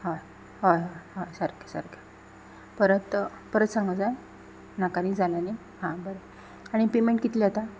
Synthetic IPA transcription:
ɦa | ɦojɦoɦasəɾke̥sə̰ɾke | pəɾət̪ | pəɾət̪sãŋɡəd͡zaj | nakaɾid͡zalani | hãbəɾə | aɽ̃ipemeɳʈkit̪liat̪a

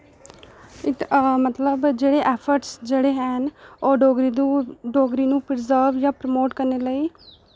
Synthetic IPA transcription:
ɪt̪mət̪ləbd͡ʒeːɽeːʔɛːpʰəɾʈsd͡ʒeːɽeːɦɛːnoːɖoːɡɾuːɖoːɡɾiːnũːpɾəzəːɾʋjãːpɾəmoːʈkəɾneːləiː

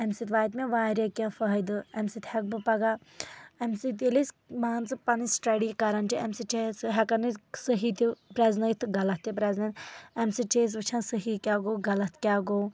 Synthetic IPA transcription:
emsit̪ʋaːjt̪mẽʋaːɾʲjɐkʲɐ̃fɐɦɐjd̪ɨɛmsit̪hɛk̚bɨpɐɡaː | emsit̪̬ilis | maːnt͡sɨpɐnisʈɐɽikɐɾɐnt͡ʃiɐmsit͡ʃesɦɛkɐnɨsəɦit̪ipɾɛznɐjt̪ʰɨɡɐlɐt̪ːipɾɛznɐnɛmsit͡ʃeːs̬ʋɨt͡ʃʰãnsəɦikʲaːɡoːɡɐlɐt̪ʰkʲaːɡow

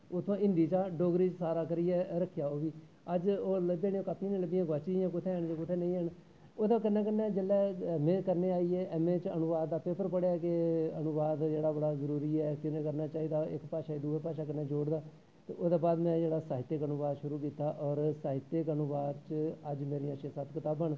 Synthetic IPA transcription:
ʊt̪ʰãːɪ̃nd̪iːt͡ʃaːɖoːɡɾiːt͡ʃsaːɾaːkəɾiːɛːɾəkʰːjaːoːʋiː | əd͡ʒoːləbeːnẽːoːkaːpʰĩnẽːləbɪjãːɡaːt͡ʃijãːkʊt̪ʰeːɦəːɳd͡ʒekʊt̪ʰeːnə̃ĩːɦɛːn | oːd̪aːkənːɛːk̬ənːɛːd͡ʒəlːɛːmẽːkəɾneːaːieːʔɛːmẽːt͡ʃənʊʋaːd̪ːaːpeːpəɾpəɽejaːkeənʊʋaːd̪d͡ʒeːɽaːbəɽaːzəɾuːɾiːɛːkɪneːkəɾnaːt͡ʃaːiːd̪aːɪkpaːʃaːid̪uːeːpaːʃaːkənːãːd͡ʒoːɽd̪aː | t̪ḛːʔod̪aːbaːd̪mɛ̃ːd͡ʒeːɽaːsaːɦɪt̪ːəkənʊʋaːd̪ʃʊɾuːk̬iːt̪aːʔɔːɾsaːɦɪt̪ːekənʊʋaːd̪t͡ʃəəd͡ʒmeːɾijãːʃesət̪kɪt̪aːbəɳ

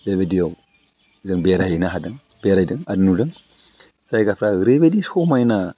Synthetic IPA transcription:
bebedijaw | zəŋbeɾajinaɦadəŋ | b̥eɾaidəŋadnudəŋ | saikafɾaɾebedisomaina

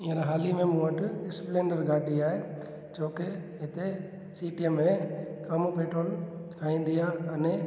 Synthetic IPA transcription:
ɪ̃ɦə̃ɾaɦaːlimẽmũɦəʈɪsplẽːɳɖəɾɡaːɗiaːɦe | d͡ʒoːkeɦɪt̪e | siːʈiəmːẽkɐmupeːʈɾoːlkʰãːĩːnd̪ijaɐnɛ̃

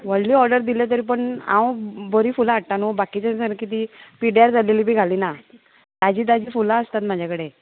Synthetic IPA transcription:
ʋəɭliːɔɾɖəɾd̪iljat̪̬əɾiːpəɳã̰wbəɾiːfulaaʈʈanubakit͡ɕəsəɾkit̪iːpiɽjaɾd͡zʱaleliːbʱiːɡʱaliːna | t̪ad͡ʑiːd̪ad͡ʑiːfulaəst̪at̪mad͡ʑʱakəɽe

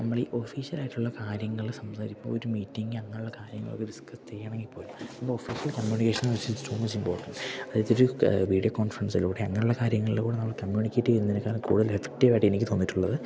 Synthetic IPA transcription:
nɐmːɐɭiʔo̞fiːɕɐlaːjiʈːuɭːɐkaːɾjɐŋːɐɭsɐmsaːɾiːo̰oɾumiːtːiŋɡɨɐŋːɐnuɭːɐkaːɾjɐŋːɐɭokːed̪iskɐst͡ɕejːaːɳeŋɡilpo̞ːlumnɐmːɐɭofiːɕjɐlkɐmjuːnikʲːeːʂɐnʋɐt͡ɕːɨso̞ːmɐt͡ɕːimpoːrʈːɐɳʈɐðit̪ːioɾuʋiːɽijokoːnfɐɾɐnsɐlːkuːɽeɐŋːɐnuɭːɐkaːɾjɐŋːɐɭilekːuːɽenɐmːɐɭkɐmjuːnikʲːeːʈːunːɐðinɨkːaːɾɐmkṵːɽuðɐlefe̥k̚ʈːiʋaːjʈːɨenikʲːɨt̪o̞ːnːitːuɭːɐðɨ

